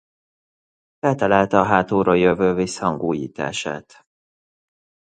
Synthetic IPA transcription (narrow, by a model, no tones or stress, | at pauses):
fɛlt̪ɛlalt̪ɛɒɦaːt̪oːɾojøvøːvishɒŋɡoːjḭːt̪a̰ːʃa̰ːt̪